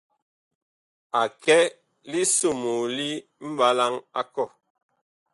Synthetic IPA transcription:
a˨kɛ˦ | li˦su˦˨mu˨li˦m̩˦ba˦la˦ŋa˦kɔ˦˨

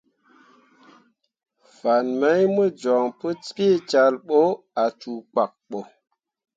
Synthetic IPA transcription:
fa˨nme˦jmə˦d͡ʒɔ˨ŋpə˦t͡ski˦t͡ʃa˨lɓo˦ | a˨t͡ʃu˨k͡pa˨k̚ɓo˨

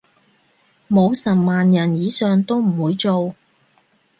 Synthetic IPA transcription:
mo˨˧wsɐ˨˩maː˨njɐ˨˩njiː˨˧sœː˨ŋt̪o˥wm̩˨˩wuː˨˧jt͡so˨w

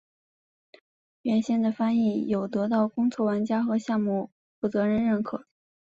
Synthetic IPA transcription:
ɥɛ˧˥nɕɛ˥˩nd̪ə˨fa˥ni˥˩jo˨˩ʊt̪ɤ˧˥t̪ɑ˥˩ʊkʊ˥ŋt͡sʰwɔ˥˩wa˧˥nt͡ɕja˥xɤ˧˥ɕjɑ˥˧ŋmu˥˩ | fu˥˩t͡sɤ˧˥ɻə˧˥nɻə˥˩nkʰɤ˨˩˦

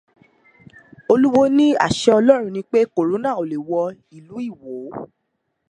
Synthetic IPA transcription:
o˧lu˦wo˦nĩ˦a̰˦˨ʃɛ˧ɔ˧lɔ˦ɾ̃ũ˧nĩ˧˦k͡pe˦ko˨ɾo˨˦nã˦˨o˨le˨wɔ˧ | i˨lu˨˦i˦˨wo˨˦

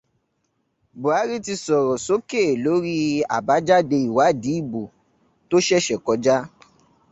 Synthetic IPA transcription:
bo˨a˨˦ɾi˦ti˧sɔ˨ɾɔ˨so˦ke˦˨lo˨˦ɾi˦a̰˨ba˨˦d͡ʒa˦de˧i˨wa˨˦˨di˨˦i˦˨bo˨ | to˦ʃɛ˦ʃɛ˨kɔ˧d͡ʒa˦

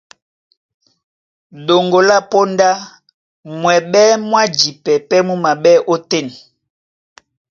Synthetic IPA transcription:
ɗo˨ŋɡo˨la˦po˦nda˦ | mwɛ˨ɓɛ˦mwa˦d͡ʒi˨pɛ˨pɛ˦mu˦ma˨ɓɛ˦ʔo˦te˦˨ni˨

